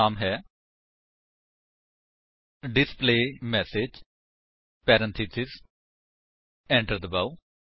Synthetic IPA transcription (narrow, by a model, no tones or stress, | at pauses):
aːmɦɛː | ɖɪspleːmɛːsed͡ʒ | pɛːɾə̃nt̪ʰisɪz | ɛ̃ːɳʈəɾd̪əbaːu